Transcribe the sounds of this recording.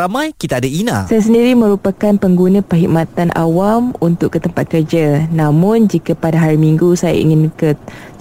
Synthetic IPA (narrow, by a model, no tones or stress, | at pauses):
amãjkit̪aadaina̰sajas̬əndiɾimə̃ɾupakanpəŋɡunə̃pəɦiʔ̚mat̪anʔa̰wamunt̪ʊkːət̪əmpat̪̚kərd͡ʒanãmʊ̃nd͡ʒikapadaɦaɾimiŋɡusaja̰ʔḭŋɪnkə